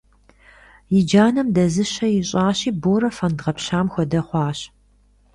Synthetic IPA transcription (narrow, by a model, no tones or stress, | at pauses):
jɪd͡ʒaːnɐmdɐzɨɕɐjɪɕʼaːɕiːboːɾɐfɐndʁɐpɕaːmxʷɔdɐχʷɑːɕ